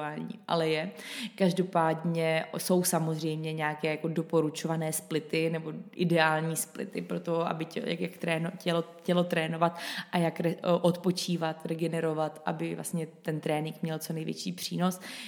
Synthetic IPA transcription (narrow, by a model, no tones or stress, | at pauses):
aːlɲḭːʔa̰lɛjɛkaʒdo̞paːdɲɛso̞wsamozr̝ɛjmɲɛɲaːkɛːjako̞do̞po̞ɾut͡ʃo̞vanɛːsplɪt̪ɪnɛbo̞ʔɪdɛaːlɲiːsplɪ̰t̪ɪpɾo̞t̪o̞ʔa̰bɪja̰kjakt̪ɾɛːnocɛlocɛlo̞t̪ɾɛːno̞vat̪ʔajakɾɛʔot̪po̞t͡ʃiːvat̪ɾɛɡɛnɛɾo̞vat̪ʔa̰bɪvla̰sɲɛt̪ɛnt̪ɾɛːnɪŋkmɲɛlt͡so̞nɛjvjɛ̰t͡ʃiːpr̥ḭːno̞s